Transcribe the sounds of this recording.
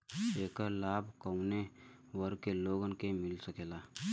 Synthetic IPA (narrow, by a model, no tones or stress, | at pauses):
eːkəlaːbʱkəune | wəɾkeloːɡənkemɪlsəkeːlaː